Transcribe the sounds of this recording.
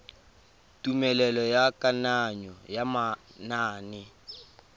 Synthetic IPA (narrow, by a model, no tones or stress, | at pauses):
tʼumɛlɛlɔjakʼanaɲɔjamanaːnɪ